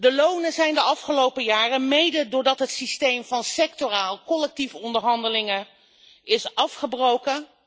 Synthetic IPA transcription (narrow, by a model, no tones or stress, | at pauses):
dəlownəzɛjndəɑfχəlowpəjaːrəmejdədʊːɹdɑtɦətsistejmvɑnsɛk̚toraːlˠkɔlɛk̚tifɔndəɹɦɑndəlɪŋə | ɪsɑfχəbrowkə